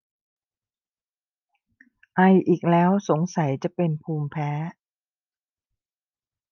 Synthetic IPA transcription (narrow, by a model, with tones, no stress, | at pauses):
ʔa˧jʔiː˨˩k̚lɛː˦˥wso˩˦ŋsa˨˩˦jt͡ɕa˨˩ʔpe˧npʰuː˧mpʰɛː˦˥